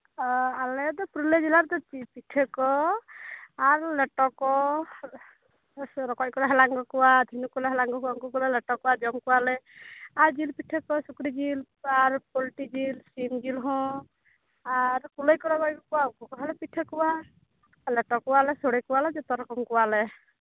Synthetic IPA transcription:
alɛd̪ɔpɾuled͡ʒilaɾd̪ɔt͡ʃipiʈʰekɔ | aɾleʈɔkɔ | ɾɔkɔjkɔlɔɦɛlaŋɡɔkuwad̪ʱinukulɔɦɛlaŋɡɔkuaŋkɔkulelɛʈɔkuwad͡ʒɔmkualɛaɾd͡ʒilpiʈʰekɔsukɾid͡ʒil | aɾpɔlʈid͡ʒilsimd͡ʒilɦɔ̃ | aɾkulɔjkɔɾɔkɔjkɔkuwaukɔkɔɦɛlɛpiʈʰekuwa | lɛʈɔkuwalɛsɔɽekuwalɛd͡ʒɔt̪ɔɾɔkɔmkuwalɛ

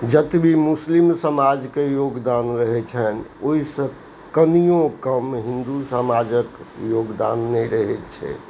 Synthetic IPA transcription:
d͡ʒət̪bʱimuslimsəmad͡ʒkejoɡd̪anɾəɦɛt͡ʃʰənoisə̃ | kənijõkəmɦind̪usəmad͡ʒəkjoɡd̪a̰nːɛɾəɦɛt͡ʃʰɛ̰

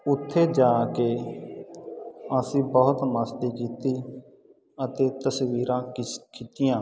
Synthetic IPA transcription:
ʊt̪ʰːeːd͡ʒaːkeː | əsĩːbɔːʊt̪məst̪iːkiːt̪iː | ət̪eːt̪əsʋiːɾãːkiːt̪ɪjãː

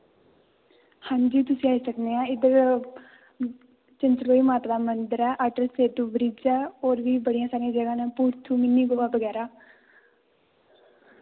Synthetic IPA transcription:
hãːɲd͡ʒiːt̪ʊsĩːaːiːsəkneːãːɪd̪əɾ | t͡ʃənt͡ʃloːiːmaːt̪aːd̪aːmənd̪əɾɛːʔaːʈəlseːt̪uːbɾiːd͡ʒɛːoːɾʋiːbəɽijãːsaːɾijãːd͡ʒəɡãːnɛ̃ːpuːɾt̪ʰuːmɪnːiːɡoʋaːbəɡɛːɾaː

